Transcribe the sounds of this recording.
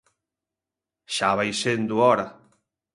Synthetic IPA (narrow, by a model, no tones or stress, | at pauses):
ʃaβajsend̪uɔɾa